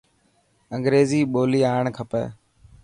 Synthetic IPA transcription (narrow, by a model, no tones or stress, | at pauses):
əŋɡɾeːziːɓoːliːaːɳkʰəpɛ̰ː